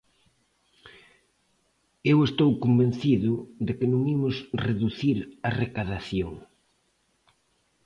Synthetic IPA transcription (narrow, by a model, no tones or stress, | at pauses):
ewest̪owkombẽnθiðʊðɪkɪnõŋimʊsreðuθiɾarekaðaθjoŋ